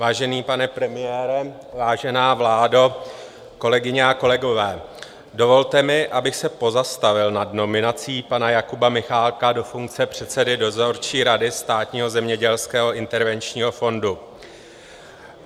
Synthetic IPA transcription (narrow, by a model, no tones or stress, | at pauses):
vaːʒɛniːpanɛpɾɛmɪjɛːɾɛ | vaːʒɛnaːvlaːdo | ko̞lɛɡɪɲɛako̞lɛɡo̞vɛː | do̞vo̞lt̪ɛmɪʔabɪxsɛpo̞zast̪avɪlnadno̞mɪnat͡siːpanajakubamɪxaːlkado̞fuŋk̚t͡sɛpr̝̥ɛt̪sɛdɪdo̞zo̞ɾt͡ʃiːɾadɪst̪aːt̪ɲiːɦo̞zɛmɲɛɟɛlskɛːɦo̞ʔɪnt̪ɛɾvɛnt͡ʃɲiːɦo̞fo̞ndu